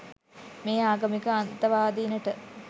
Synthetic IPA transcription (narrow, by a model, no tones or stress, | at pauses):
meːaːɡɐmikəant̪ɐʋaːd̪iːnəʈə